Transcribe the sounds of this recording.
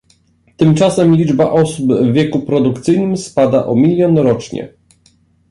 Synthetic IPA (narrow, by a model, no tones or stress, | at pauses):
t̪ɘmt͡ʂasɛmlʲid͡ʐbaʔɔsubvːʲjɛkupɾɔd̪ukt̪sɘjnɘmspad̪aʔɔmʲilʲjɔnɾɔt͡ʂɲɛ̰